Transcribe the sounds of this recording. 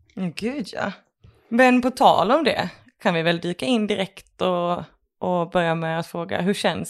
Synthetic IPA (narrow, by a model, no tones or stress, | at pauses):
jaɡʉ̟ːd̪ja̰ | mɛnpɔt̪ʰɑ̰ːlɔmd̪ɛ̰ | kʰanvɪvɛld̪yːkaɪnːd̪ɪɾɛkt̪ɔ | ʔːbœɾjamɛat̪fɾoːɡa̰ɦɵʂɛns